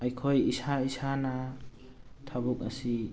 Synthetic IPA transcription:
ajkʰojisaisana | tʰabuk̚asi

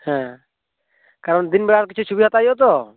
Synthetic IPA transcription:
hɛ̃ | kaɾɔnd̪inbɛɽaɾkit͡ʃʰut͡ʃʰubiɦat̪ajɔt̪̬ɔ

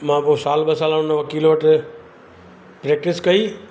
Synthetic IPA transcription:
mãːposaːlɓɐsaːlaʊnəʋɐkiːlʋɐʈɪ | pɾeːk̚ʈɪskɐiː

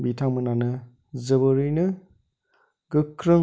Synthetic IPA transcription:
bitʰaŋmɯnanɯ | zɯbɯɾɯnɯ | ɡ̥ɯkʰɾɯ

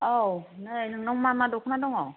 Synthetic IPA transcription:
ɔwnanɔŋmamadɔkʰunadɔŋɔ

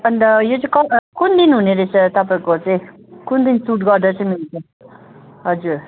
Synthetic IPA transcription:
ʌnd̪ʌjot͡sakʌkund̪inɦuneɾet͡sʰʌt̪ʌp̬aĩkot͡saĩ | kund̪insuʈɡʌɾd̪ʌɾt͡sãmilt͡sʰʌ | ɦʌd͡zuɾ

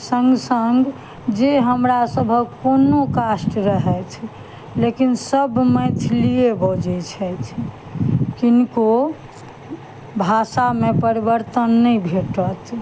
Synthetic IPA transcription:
səŋɡsəŋɡ | d͡ʒeɦəmɾasəbʱəkonokasʈɾəɦɛt͡ʃʰ | lekinsəbməɪt̪ʰliebəd͡ʒɛt͡ʃʰɛt͡ʃ̪ʰ | kinko | bʱasamepəɾibəɾt̪ənːɛjbʱeʈət̪

